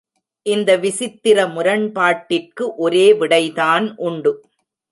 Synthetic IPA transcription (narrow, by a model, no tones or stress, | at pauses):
ʔɪnd̪ɐʋɪsɪt̪ːɪɾɐmʊɾɐɳpaːʈːɪrkɯʔɔɾeːʋɪɽɐɪðaːnʔʊɳɖɯ